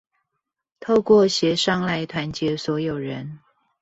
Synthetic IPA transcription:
t̪ʰo˥˧ʊkwɔ˥˩ɕjɛ˧˥ʂɑ˥˧ŋla˥˧ɪt̪ʰwa˧˥nt͡ɕjɛ˧˥swɔ˧˥jo˨˩ʊɻə˧˦n

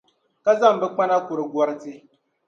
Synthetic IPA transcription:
ka˦za˦˨m̩˨bɛ˦k͡pa˦na˦kʊ˨ɾɨ˨ɡɔ˨˦ɾɨ˦tɨ˦

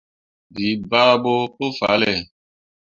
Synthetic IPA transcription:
bi˨˦ba˦bo˦po˦fa̰˨˦lɛ˨

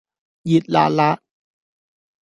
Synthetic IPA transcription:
ji˨˩t̪̚la̰˧˨la˦˥ʔ

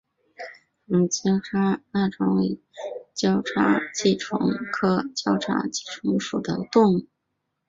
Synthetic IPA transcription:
m˧t͡ɕjɑ˥ʊʈ͡ʂʰa˥na˥˩ʈ͡ʂʊ˧˥ŋwe˧˥˩ɪ | t͡ɕjɑ˥ʊʈ͡ʂʰa̰˥t͡ɕi˥˩ʈ͡ʂʰʊ̰˧˥ŋkʰɤ˥t͡ɕjɑ˥ʊʈ͡ʂʰa̰˥t͡ɕi˥˩ʈ͡ʂʰʊ˧˥ŋʂu˨˩d̪ə˦t̪ʊ˥˧ŋ˥˩

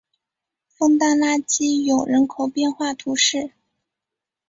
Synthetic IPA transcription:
fɤ˥ŋt̪a˥˧nla˥t͡ɕi˥jo˨˩ʊɻə˧˥nkʰo˨˩ʊpjɛ˥˧nxwa˥˩t̪ʰu˧˥ʂɻ̩˥˩

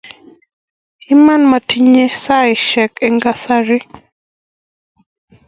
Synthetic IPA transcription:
ɪ˦ma˦nma˨ti˦ɲe˦sa˦ɪ˨ʃɛ˨ke˦ŋɡa˦sa˦ɾɪ˦

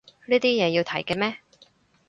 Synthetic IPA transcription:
liː˥t̪iː˥jɛː˨˧jiː˧wt̪ʰɐ˨˩jkɛː˧mɛː˥

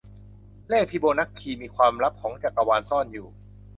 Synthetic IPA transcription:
leː˥˩k̚pʰiː˦˧boː˧na˦˥k̚kʰiː˧miː˧kʰwaː˧mɾa˦˥p̚kʰɔː˩˦ŋt͡ɕaː˨˩k̚ʔa˧waː˧nsɔː˥˩njuː˨˩

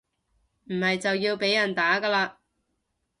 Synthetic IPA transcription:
m̩˨˩hɐ˨jt͡sɐ˨wjiː˧wpe˨˥jɐ˨˩nt̪aː˨˥kaː˧laː˧

